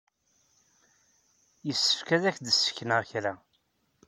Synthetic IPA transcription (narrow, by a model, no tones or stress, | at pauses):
jəsːə̥fkæðæçd̪əsːə̥fçnəʁçɾæ